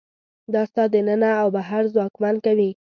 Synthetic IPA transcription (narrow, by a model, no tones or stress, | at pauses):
d̪ɑst̪ɑd̪ənənaːwbaɦaɾzwɑkmankawi